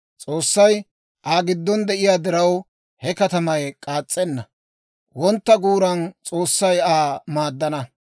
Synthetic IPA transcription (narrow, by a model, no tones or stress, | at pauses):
t͡sʼo̞ːsːɐj | ʔaːɡɪd̪ːɔnd̪ɛʔɪjaːd̪ɪɾɐw | hɛkɐt̪ɐmɐjkʼaːt͡sʼːɛnːɐ | wɔnt̪ːɐɡuːɾɐnt͡sʼo̞ːsːɐjaːmaːd̪ːɐnɐ